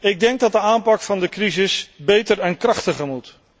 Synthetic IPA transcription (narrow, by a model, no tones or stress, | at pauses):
ɪɡ̚dɛŋɡ̚dɑt̚dəaːmpɑkfɑndəkrizɪsbejtəɹɛnkrɑχtəχəɹmut